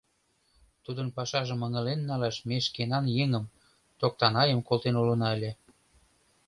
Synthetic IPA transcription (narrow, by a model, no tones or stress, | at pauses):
t̪ud̪ənpɑʃɑʒəməŋə̆lenːɑlɑʃmeʃkenɑnjeŋəm | t̪ok̚t̪ɑnɑjəmkolt̪enulə̆nɑəlʲe